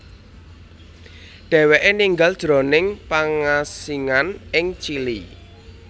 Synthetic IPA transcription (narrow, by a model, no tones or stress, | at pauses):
ɖ̥ɛ̤weʔeniŋɡald̥ʒ̥ɾɔ̤nɪŋpaŋasiŋanɪŋt͡ʃili